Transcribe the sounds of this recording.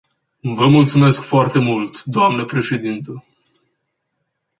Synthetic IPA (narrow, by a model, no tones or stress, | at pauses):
vəmult̪sume̞skfoart̪e̞mult̪d̪oamnəpɾe̞ʃe̞d̪int̪ə